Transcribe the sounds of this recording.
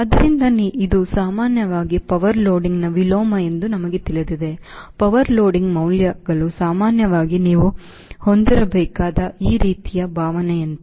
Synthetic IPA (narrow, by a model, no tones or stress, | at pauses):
ɐd̪ɐɾind̪ɐniid̪usaːmaːnjɐʋaːɡipɐʋɐɾloːɖiŋɡnɐʋiloːmɐe̞nd̪unɐmɐɡet̪ilid̪id̪e̞pɐʋɐɾloːɖiŋɡmɐwljɐɡɐɭusaːmaːnjɐʋaːɡiniːʋu | ho̞nd̪iɾɐbɛːkaːd̪ɐiːɾiːt̪ijɐbʱaːʋɐneɐnt̪ɐ